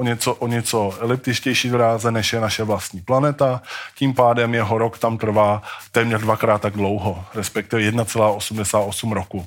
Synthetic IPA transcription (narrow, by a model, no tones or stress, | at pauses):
ʔoɲɛt͡soʔoɲɛt͡solɪp̚t̪ɪʃcɛjʃiːd̪oɾaːzɛnɛʃjɛnaʃɛvlast̪ɲiːplanɛt̪aciːmpaːdɛmjɛɦo̞ɾokt̪amt̪r̩vaːt̪ɛːmɲɛrdvakɾaːt̪ːaɡdlo̞wɦoɾɛspɛk̚t̪ɪvɛjɛdnat͡sɛlaːʔo̞sumdɛsaːt̪ʔosumɾoku